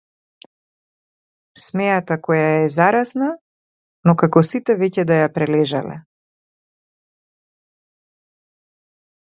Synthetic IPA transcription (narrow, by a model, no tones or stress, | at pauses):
smɛjat̪akɔjaɛzaɾasna | nɔkakɔsit̪ɛvɛcɛd̪ajapɾɛlɛʒa̰lɛ̰